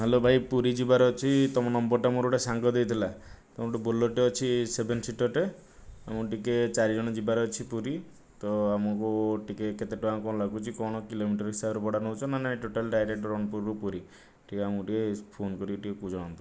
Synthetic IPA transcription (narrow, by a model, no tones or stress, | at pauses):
ɦelobʱajpuɾid͡ʒibaɾeɔt͡ʃʰit̪ɔmɔnɔmbɔɾʈamuɾoʈesaŋɡɔd̪ejt̪ʰilat̪ɔmɔʈebolːoʈeɔt͡ʃʰisebʱensiʈɔʈe | amɔʈiket͡ʃaɾid͡ʒɔɽ̃ɔd͡ʒibaɾeɔt͡ʃʰipuɾi | t̪ɔamɔkuʈikeket̪eʈuamkɔnɔlaɡut͡ʃʰikɔɽ̃ɔkilomiʈɔɾɔɦisabɔɾebɔɽanɔɦut͡ʃʰɔnanaiʈoʈalɖajɾeʈɔɾɔɳ̃puɾɾupuɾi | ʈʰikeamuʈiepʰonkɔɾiʈikekud͡ʒʱɔɽ̃ɔnt̪ɔ